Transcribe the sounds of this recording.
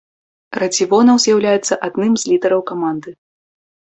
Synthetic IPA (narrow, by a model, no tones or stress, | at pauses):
rɐd͡zʲivɔnɐwzʲjawlʲajɛt̪sːɐʔad̪nɨmzʲlʲid̪ɛɾɐwkamand̪ɨ